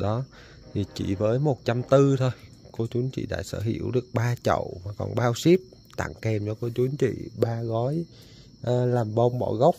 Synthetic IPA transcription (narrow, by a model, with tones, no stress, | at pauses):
ɗɔ˨˦ | t̪ʰi˨˩t͡ɕi˧˩vəː˨˦jmo˨˩t̚t͡ɕa˧mt̪ɨ˧t̪ʰo˧j | ko˧t͡ɕu˨˦nt͡ɕḭ˧˩ɗa̰ː˧˥sə̰ː˧˩ɦḭ˧˩˨əwɗɨ˨˩ək̚ɓaː˧t͡ɕə̰˧˨wmaː˨˩kɔ̰˨˩nɓaː˧wsi˦˥p̚ | t̪a̰˧˩ŋkɛ˨˩mt͡ɕɔ˧ko˧t͡ɕu˨˦ənt͡ɕḭ˧˨ɓaː˧ɣɔ˨˦j | ʔlaː˨˩mɓə˧wŋ͡mɓɔ̰˧˩ɣə˦˥wk͡p̚